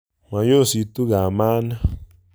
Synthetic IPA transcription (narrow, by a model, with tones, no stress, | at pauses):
mã˨jo˦˨si˨t̪u˦ɣa˨ma˦na˦